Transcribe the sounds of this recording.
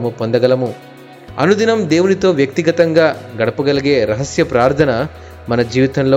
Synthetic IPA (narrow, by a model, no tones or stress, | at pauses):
mupond̪ɐɡɐlɐmu | ɐ̰nud̪inɐmd̪e̞ːwunit̪o̞ːʋjɐk̚t̪iɡɐt̪ɐŋɡaːɡɐɽɐpuɡɐliɡe̞ːɾɐɦɐsjɐpɾaːɾt̪ʰɐnɐ | mɐnɐd͡ʒiːʋit̪ɐmloː